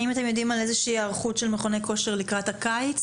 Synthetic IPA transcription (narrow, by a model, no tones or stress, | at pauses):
imat̪e̞mjo̞d̪imale̞zeʃiːaʁχutʃelmeχo̞neko̞ʃeʁlikʁathakajt͡s